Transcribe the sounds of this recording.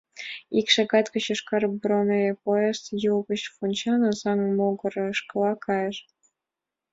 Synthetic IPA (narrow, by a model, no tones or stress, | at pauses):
ikʃɑɡɑt̪kə̆ɕə̆ʃkɑrbɾonepoest̪julɣə̆ɕfunʲt͡ɕɑnɤ̆zɑŋmoɡɤ̆ɾɤ̆ʃkɤ̆lˠɑkʰɑjɤ̆ʃ